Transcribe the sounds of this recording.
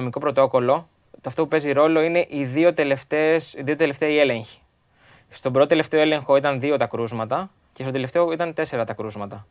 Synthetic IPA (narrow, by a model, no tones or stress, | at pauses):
omiko̞pɾo̞t̪o̞ko̞lo̞ | t̪oɐft̪o̞pupe̞ziɾo̞lo̞ine̞ʔiðio̞t̪eleft̪esiðio̞t̪e̞le̞ft̪eɐie̞le̞ɲçi̥ | st̪o̞bɾo̞t̪ot̪ele̞ft̪e̞o̞e̞le̞ŋxo̞it̪ɐnðio̞t̪ɐkɾuzmɐt̪ɐ | ce̞st̪ot̪e̞le̞ft̪e̞oit̪ɐnt̪e̞se̞ɾɐt̪ɐkɾuzmɐt̪ɐ